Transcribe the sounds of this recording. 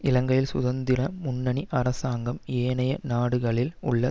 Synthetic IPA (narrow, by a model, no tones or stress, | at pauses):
ɪlɐŋɡɐjɪlsʊðɐnd̪ɪɾɐmʊnːɐɳiʔɐrɐsaːŋɡɐmeːnɐjɐnaːɽɯɣɐɭɪlʊ̰ɭːɐ